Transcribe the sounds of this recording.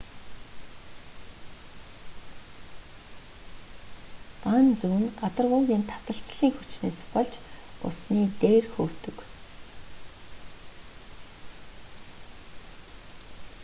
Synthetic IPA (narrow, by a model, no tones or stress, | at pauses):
ɢant͡sɵwɘ̆nɢat̪ə̆rʁʊːŋɣʲiːnt̪ʰḁt̪ə̆ɬt͡sɮiːŋxut͡ɕneːsʊ̥χə̆ɮt͡ɕʊ̰sniːt̪eːrxɵːw̥t̪ɵ̆k